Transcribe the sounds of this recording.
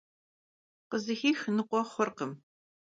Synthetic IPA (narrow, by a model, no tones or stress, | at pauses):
qəzɨxiːxnɨqʷʼɔχʷɔrqəm